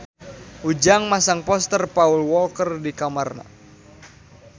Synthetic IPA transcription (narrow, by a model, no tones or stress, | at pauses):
ud͡ʒaŋmasaŋpɔst̪ərpaulwɔlkərdikamarna̰